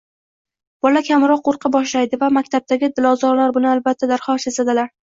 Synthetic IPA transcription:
b̥ɒlakʲʰamɾɒqːoɾqʰɨbɒʃlajd̪ɪvamakʲt̪ʰab̚t̪aɡʲɪd̪ɪlɒzɒɾlaɾbʊnɪalbat̪ʰːad̪aɾχɒsesad̪ɪlaɾ

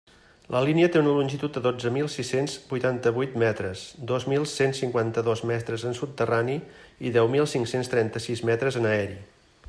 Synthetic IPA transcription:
lʔəliniət̪eunəlunʲʒit̪ut̪̚d̪əðod͡zəmilˠsisenzbujt̪ant̪əβujt̪mɛt̪ɾəzd̪ozmilˠsensːiŋkwant̪əðozmɛst̪ɾəzənsupt̪əraniiðɛwmilˠsiŋksenst̪ɾɛnt̪əsizmɛt̪ɾəzənəɛɾi

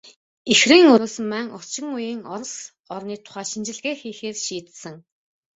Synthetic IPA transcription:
exriːŋɵɾoːsɘ̆mmæŋɔr̥t͡ɕɪ̆ŋujiːŋɔɾ̆s | ɔrniːt̪ʰʊ̥χæːʃint͡ɕɪ̆ɮɣeːxiːxeːrʃiːt̪sɘ̆ŋ

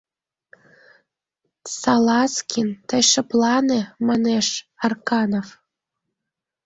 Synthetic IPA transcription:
sɑlɑskʲint̪əjʃɤ̆plɑnemɑneʃɑrkɑnof

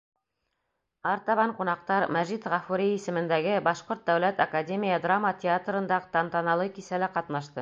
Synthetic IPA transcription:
ɑɾt̪ɑβɑɴqunɑq̚t̪ɑɾmæʒit̪ʁɑfuɾʲiisɘ̆mɘ̆nd̪æɡɘbɑʃqoɾt̪̚d̪æwlæt̪ɐkadʲemʲijəd̪ramːətʲɪat̪rɤ̆nd̪ɑqt̪ɑnt̪ɑnɑlˠɤkisælæqɑt̪n̪ɑʃt̪ɤ

